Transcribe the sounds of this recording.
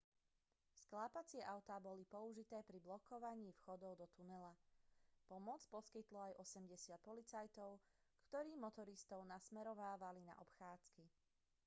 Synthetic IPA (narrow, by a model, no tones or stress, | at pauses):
sklaːpat͡sɪɛʔaʊt̪aːbɔlipɔuʒit̪ɛːpɾiblɔkɔʋaɲiːfxɔd̪ɔʊd̪ɔt̪unɛlapɔmɔt͡spɔskit̪lɔajʔɔsɛmɟɛsɪat̪̚pɔlit͡sajt̪ɔʊ | kt̪ɔɾiːmɔt̪ɔɾist̪ɔʊnasmɛɾɔʋaːʋalina̰ʔɔpxaːt͡ski